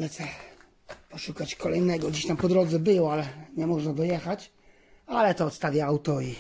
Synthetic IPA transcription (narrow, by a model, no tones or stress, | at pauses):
ɲɛt̪sɛ | pɔʂukat͡ɕkɔlɛjnɛɡɔɡd͡ʑeɕt̪ampɔd̪ɾɔd̪zɛbɘwɔalɛɲɛmɔʐnad̪ɔjɛxat͡ɕ | alɛt̪ɔɔt̪st̪avʲjaawt̪ɔi